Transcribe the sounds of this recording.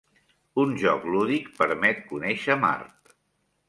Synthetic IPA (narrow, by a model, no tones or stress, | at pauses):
unʒɔkluðikpəɾmɛt̪̚kunɛʃəma̰ɾt̪